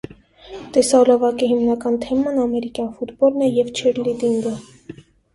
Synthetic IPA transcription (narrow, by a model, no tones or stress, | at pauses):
t̪ɛsɑlɔvɑkiɦimnɑkɑnt̪ʰɛmɑnɑmɛɾikjɑnfut̪bɔlnɛjɛvt͡ʃʰɛɾlid̪iŋɡə